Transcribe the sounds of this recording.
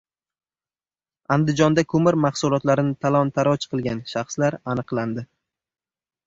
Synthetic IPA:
and̪ɪd͡ʒɒnd̪akʰɵmɪɾmahsʊlˠɒt̪laɾɪnɪt̪ʰalˠɒnt̪ʰaɾɒt͡ʃqʰɨlˠɡʲanʃaχslaɾanɨqlˠand̪ɪ

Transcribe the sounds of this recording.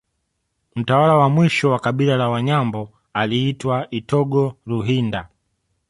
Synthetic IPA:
m̩tawalawamwiʃɔwakaɓilalawaɲambɔ | aliːtwaʔitɔɡɔɾuɦinda

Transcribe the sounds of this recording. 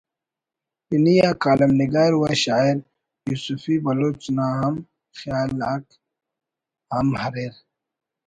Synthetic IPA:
pinijaːkaːlɐmniɡaːɾuwaɕaːiɾ | jusufibɐloːt͡ʃnaːɐm | xjaːlak | amɦɐɾeɾ

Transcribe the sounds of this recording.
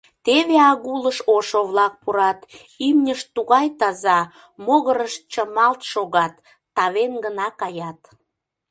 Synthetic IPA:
t̪eβeɑɣuləʃoʃoβlɑk̚puɾɑt̪ | imnʲəʃt̪uɣɑjt̪ɑzɑ | moɣəɾəʃt͡ɕəmɑlt̪ʃoɣɑt̪ː | ɑβenɡənɑkɑjɑt̪

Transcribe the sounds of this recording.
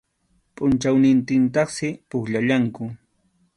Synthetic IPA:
pʼʊnt͡ʃawnɪnt̪ɪnt̪ɑχsɪpʊχʎaʎaŋkʊ

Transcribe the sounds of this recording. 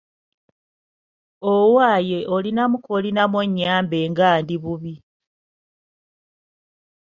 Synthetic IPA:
owaːje̞ʔolinamukolinamoɲːaːmbeːŋɡaːndiβuβi

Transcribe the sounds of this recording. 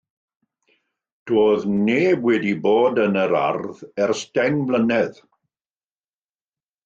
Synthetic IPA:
d̥oːðneːbwɛdiboːdənəɾa̰rðɛrstɛŋblənɛð

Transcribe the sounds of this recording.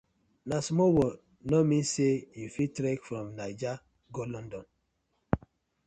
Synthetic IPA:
nasmowɔ | nomĩnsejufitɾɛkfɾɔ̃mnad͡ʒa | ɡɔlɔ̃ndɔn

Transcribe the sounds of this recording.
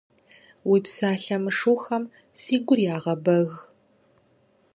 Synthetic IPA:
wiːpsaːɬɐmɨʂuːxɐm | siːɡʷʊrjaːʁɐbɐɣ

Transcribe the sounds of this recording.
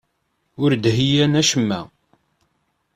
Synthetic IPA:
ʊɾd̪ɦijænæʃəmːæ̰

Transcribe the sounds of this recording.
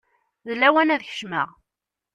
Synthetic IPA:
ðəlːæwænæðçə̥ʃmə̰ʁ

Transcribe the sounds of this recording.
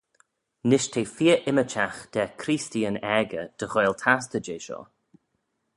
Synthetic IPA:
nɪʃtʰeːfiːəʔɪmət͡ʃʰaxd̥̪ɛkʰɾiːstiːənɛɡəd̪̥əɣojlˠt̪ʰas̬t̪əd͡ʒeːʃɔ̰

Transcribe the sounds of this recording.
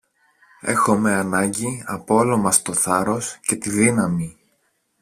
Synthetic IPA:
e̞̰xo̞me̞ɐnɐɲɟiɐpoolo̞mɐst̪o̞θɐɾo̞sce̞t̪iðinɐmi

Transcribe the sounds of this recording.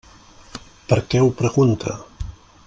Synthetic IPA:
pəɾkɛwpɾəɣunt̪ʰa̰

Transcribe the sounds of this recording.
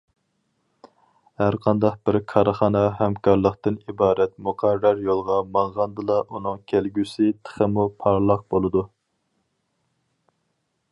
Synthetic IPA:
hæɾqʰɑnd̪ɑq̚b̥ɪɾkʰɑɾəχɑːnɑɦæmkʰɑɾlˠəqt̪ɨnibɑːɾɛt̪muqʰɑɾːɑɾjolˠʁɑmɑɴʁɑnd̪ɨlˠɑʔunɨŋkʲʰelɡʲysɪt̪ʰə̥χəmupʰɑɾlˠɑq̚bolˠɨd̪u

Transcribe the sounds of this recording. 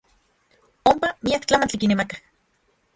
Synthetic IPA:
ompamiakt͡ɬamant͡ɬikinemakḁ

